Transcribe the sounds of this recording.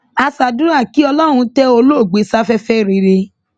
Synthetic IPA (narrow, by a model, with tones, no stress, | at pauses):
a˧sa˨dũ˨˦a˦˨ki˦ɔ˧lɔ˦ɾ̃ũ˧tɛ˦o˧lo˦˨ɡ͡be˨˦sa˦fɛ˦fɛ˦˨ɾi˨˧ɾe˧